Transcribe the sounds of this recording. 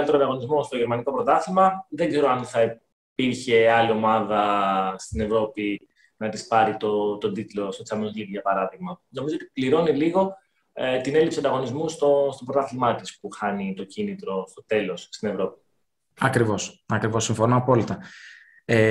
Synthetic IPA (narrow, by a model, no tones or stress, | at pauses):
lt̪eɾoɐnd̪ɐɣo̞nizmo̞st̪o̞ʝeɾmɐniko̞pɾo̞t̪ɐθilmɐðe̞ɡze̞ɾoɐnθɐi | piɾçe̞ɐlio̞mɐðɐst̪ine̞vɾo̞pi | nɐt̪ispɐɾit̪o̞t̪o̞d̪it̪lo̞set̪siɐmeoliɾʝɐpɐɾɐðiɣmɐno̞mizot̪ipliɾo̞niliɣo̞ | t̪ine̞lipsiɐnd̪ɐɣo̞nizmust̪o̞st̪opɾot̪ɐθilmɐt̪ispuxɐnit̪o̞cinit̪ɾo̞st̪o̞t̪e̞lo̞sst̪ine̞vɾo̞pi̥ | ɐkɾivo̞sɐkɾivo̞sːiɱfo̞noɐpo̞lit̪ɐ | e